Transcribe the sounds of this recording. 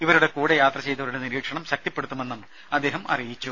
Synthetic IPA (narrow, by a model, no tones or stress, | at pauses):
iʋɐɾuɽe̞kuːɽejaːt̪rɐt͡ɕe̞jt̪ɐʋɐɾuɽeniɾiːkʂɐɳɐmɕɐk̚t̪ipːe̞ɽut̪ːume̞nːɐm | ɐd̪ːeːɦɐmɐ̰rijit͡ɕːu